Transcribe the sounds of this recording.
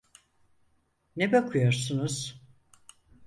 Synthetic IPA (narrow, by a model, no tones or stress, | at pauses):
nebakʰujo̞ɾsunuz̥